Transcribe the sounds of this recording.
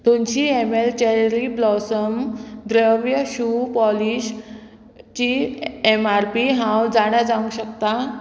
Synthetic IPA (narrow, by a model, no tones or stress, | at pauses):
t̪umt͡ɕiemelt͡ɕeɾiblɔsəmd̪ɾəʋjəɕupɔliɕ | t͡ɕiemaɾpiɦãwd͡zaɽ̃jad͡zaʋũŋɡɕəkt̪a